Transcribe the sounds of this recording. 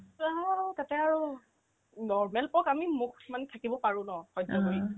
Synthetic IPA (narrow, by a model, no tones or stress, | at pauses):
atatɛaɹu | nɔɹmɛlpɔkamimukmanɛtʰakibɔpaɹʊ̃nɔxɔjdɔkoi